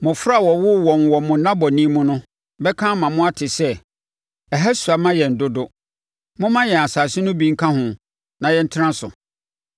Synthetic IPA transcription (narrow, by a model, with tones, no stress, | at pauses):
mʊ̃˨fɾa˦˨wɔ˨wʊ˦wɔ˨n˨wɔ˨mʊ̃˨˦nã˦bɔ˨nĩ˦mʊ̃˦nʊ̃˦ | bɛ˦kʰãː˦mã˨mʊ̃˦a˦tʰɪ˨sɛ˦ | ɛ˨ɦa˦su˨a˨mã˦jɛ˨n̩˨dʊ˦dʊ˦ | mʊ̃˦mã˦jɛ˨a˨saː˨sɪ˦nʊ̃˦bĩ˦ŋ̩˦kʰã˦hʊ̃˨ | nã˨jɛ˦n̩˦tʰɪ˦ɾã˦sʊ̰˨